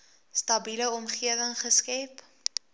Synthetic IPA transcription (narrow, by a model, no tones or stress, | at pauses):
stɐbiləɔmχiəvəŋχəskɛp